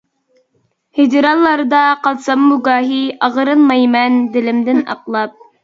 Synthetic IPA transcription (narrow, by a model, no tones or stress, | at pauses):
hɪd͡ʒɾɑlˠːɑɾd̪ɑqɑlˠsɑmːuɡɑːɦiɑʁəɾɨnmɑjmɛnd̪ɪlɪmd̪ɪnɑ̰qlˠɑp̚